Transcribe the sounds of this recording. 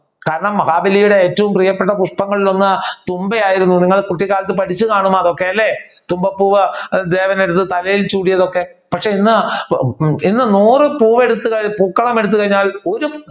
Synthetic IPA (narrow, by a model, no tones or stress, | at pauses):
kaːɾɐɳɐmːɐɣaːbɐlijuɽe̞eːtːɐʋumprijɐpːe̞ʈ̬ːɐpuʂpɐŋːɐɭilo̞nːɨt̪umbejaːjiɾunːuniŋːɐɭkuʈːikːaːlɐt̪̬ːɨpɐʈʰit͡ɕːɨkaːɳumaːðo̞kːe̞ɐlːe̞ | t̪umbɐpːuːʋɐd̪e̞ːʋɐneɽut̪ːɨt̪ɐlɐjilt͡ɕuːɽijɐðo̞kːe̞ | pɐkʂe̞inːɨ | inːɨnuːrɨpuːʋe̞ɽut̪ːuɣɐpuːkːɐɭɐme̞ɽut̪ːuɣɐɻiɲːaːlo̞ɾu